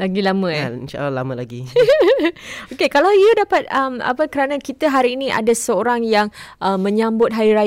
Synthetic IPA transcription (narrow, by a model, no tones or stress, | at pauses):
laɡilamə̃ainʃa̰ʔalalaməlaɡi | okekalawjudapat̪̚əma̰pəkəɾanãkit̪əɦaɾiːnĩʔa̰dasəoɾaŋjaŋʔəmə̃ɲãmbʊt̪̚ɦaɾiɾa